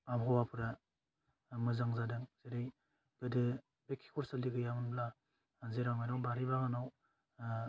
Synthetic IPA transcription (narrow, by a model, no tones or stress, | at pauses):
amɦɔwapʰɯɾa | mɯzaŋzadɯŋzeɾɯj | ɡ̥ɯdɯ | bekʰi̥kʰɔɾsaliɡɯjamɯnbla | zeɾamajnawbaɾibaɡanaw